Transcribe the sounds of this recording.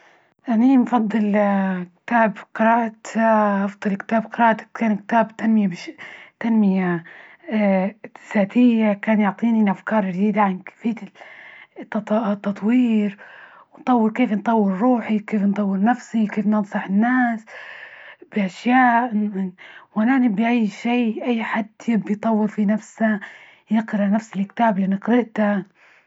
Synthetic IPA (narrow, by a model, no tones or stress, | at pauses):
ʔanimfɑd̪ˤːɨlkt̪aːbqɨɾɑːʔt̪ʔɑfd̪ˤɨlkt̪aːbqɨɾɑːʔt̪ḁkaːnkt̪aːbt̪anmɪjabt̪anmɪja | saːt̪ɪjːakaːnjʊʕt̪ˤiːnilʔafkɑːɾˤd͡ʒd̪iːd̪aʕanfiːt̪ː | t̪ːɑt̪ˤwiːɾ | wɪnt̪ˤɑwːɪɾkeːfnt̪ˤɑwːɪɾɾuːħikeːfnt̪ˤɑwːɪɾnafsikeːfnɨnsˤɑħɪnːaːs | b̥ɪʔaʃjaːʔ | wʔananibiʔajːʃeːʔajːħad̪jɪbːijt̪ˤɑwːɨɾfinafsa | jɪqɾɪʔnafsɪlkt̪aːblɪnɨqɾɪʔt̪a